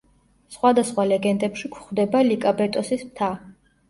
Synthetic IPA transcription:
sχwad̪asχwalɛɡɛnd̪ɛpʃikʰχd̪ɛbalikʼabɛt̪ʼɔsismt̪ʰa

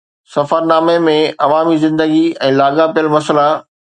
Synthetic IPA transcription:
sɐfəɾnaːmemẽɐʋaːmizɪ̃nd̪əɡiɛ̃ːlaːɡapijəlmɐsla

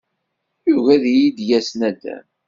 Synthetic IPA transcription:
juʝæðjid̪jæsnæd̪ːæ̰

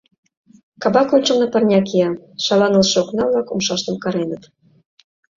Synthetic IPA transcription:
kɑbɑkonʲt͡ʃɤ̆lnɤ̆pɤ̆rnʲɑkiɑʃɑlɑnəlʃɤ̆oknɑβlɑkṵmʃɑʃt̪ɤ̆mkɑɾenɤ̆t̪

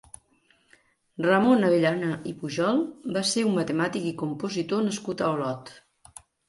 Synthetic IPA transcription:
rəmonəβeʎanəʔipuʒɔlˠbaseumːət̪əmat̪ikikumpuzit̪onəskut̪əolɔt̪

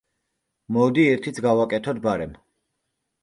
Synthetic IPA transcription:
mɔd̪iɛɾt̪ʰit̪sʰɡavakʼɛt̪ʰɔd̪̚baɾɛm

